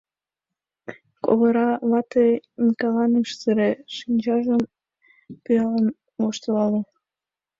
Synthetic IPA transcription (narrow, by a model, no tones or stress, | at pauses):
ko̰βəɾɑβɑt̪ejnikɑlɑnəʃsɨɾeʃinʲt͡ɕɑʒəm | pyɑlɑn | moʃt̪əlɑle